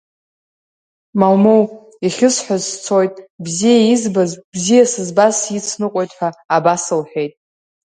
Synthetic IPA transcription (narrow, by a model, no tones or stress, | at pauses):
malmow | iχʲɪsħʷᶣazt͡sʰo̞jtʼbzijaizbazbzijasɨzbasjit͡sʰnɨqʷʼojtʼħʷᶣaːbasɨlħʷᶣe̞jtʼ